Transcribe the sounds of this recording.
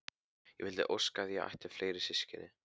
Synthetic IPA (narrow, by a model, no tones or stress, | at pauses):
jɛ̰vɪlt̪ɪ̰ʔowskaðjaa̰jht̪ɪ̥fleːjɾɪ̥sɪscɪnɪ